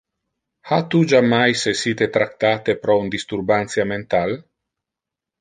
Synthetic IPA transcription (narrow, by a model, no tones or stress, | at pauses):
hat̪ud͡ʒamːajsesiːt̪et̪ɾak̚t̪aːt̪epɾɔund̪ist̪urbant̪sjament̪al